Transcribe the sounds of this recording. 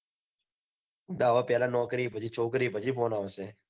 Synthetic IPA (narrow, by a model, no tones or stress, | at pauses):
d̪aːʋaːpjeːlãːnoːkɾiːbʱəd͡ʒiːt͡ʃʰoːkɾiːbʱəd͡ʒiːpoːnaːʋəseː